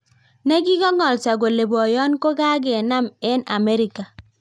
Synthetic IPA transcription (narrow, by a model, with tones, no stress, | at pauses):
ne˦ki˦kɔ˦ŋɔ˨lsa˨ɡo˨le˨bɔ˨jɔ˦nko˦ka˦ɡ̬e˨na˦mɛ˦na̰˨me˦ɾɪ˦ka˨